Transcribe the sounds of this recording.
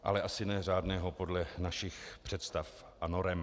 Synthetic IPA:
ʔa̰lɛʔasɪnɛr̝aːdnɛːɦopo̞dlɛnaʃɪxpr̝̥ɛt̪st̪af | ʔanoɾɛm

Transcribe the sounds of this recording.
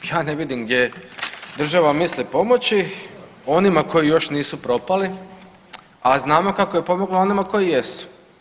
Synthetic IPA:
jaːneʋid̪imɡd̪je̞d̪r̩ʒaʋamislipo̞mo̞t͡ɕi | o̞nimako̞jijo̞ʃniːsupɾo̞pali | aznaːmo̞kakoje̞po̞mo̞ɡloo̞nimako̞jijesu̥

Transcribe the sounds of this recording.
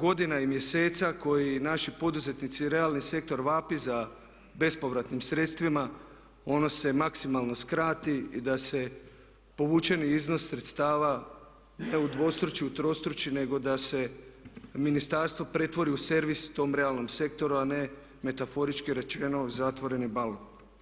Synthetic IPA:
ɡo̞d̪inaimje̞se̞ːt̪sako̞jinaʃipo̞d̪uze̞t̪nit̪siɾe̞alnise̞k̚t̪o̞ɾʋapiza | be̞spo̞ʋɾat̪nimsɾe̞t̪st̪ʋima | o̞no̞se̞maksimalˠno̞skɾaːt̪iḭd̪ase̞ | po̞ʋuːt͡ʃe̞niizno̞sːɾe̞t̪st̪aːʋa | ne̞ud̪ʋo̞st̪ɾut͡ʃiut̪ɾo̞st̪ɾut͡ʃine̞ɡo̞d̪ase̞ | minist̪aɾst̪ʋo̞pɾe̞t̪ʋo̞ɾiuse̞ɾʋist̪o̞ːmɾe̞alˠno̞mse̞kt̪o̞ɾuane̞ | me̞t̪afo̞ɾit͡ʃkiɾe̞t͡ʃe̞no̞zat̪ʋo̞ɾe̞nibalon

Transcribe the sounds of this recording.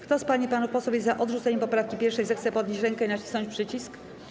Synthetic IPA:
kt̪ɔspaɲipanupɔsɔvʲjezaʔɔd̪ʐut̪ɛɲɛmpɔpɾafkʲipʲjɛɾfʂɛjzɛxt̪sɛpɔd̪ɲeɕt͡ɕɾɛŋkɛinat͡ɕi̥snɔ̃ɲt͡ɕʲpʂɘt͡ɕisk

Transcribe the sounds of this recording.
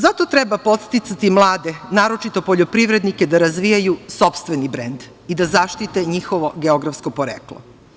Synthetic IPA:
zat̪o̞t̪ɾɛbapo̞t̪st̪it̪sat̪imlˠaːd̪enaːɾo̞t͡ʃit̪o̞poʎo̞pɾiʋɾe̞d̪nike̞d̪aɾazʋijajuso̞pst̪ʋenibɾend̪ | id̪azaʃt̪it̪eɲixoʋo̞ɡeoɡɾafsko̞poɾeklˠo̰

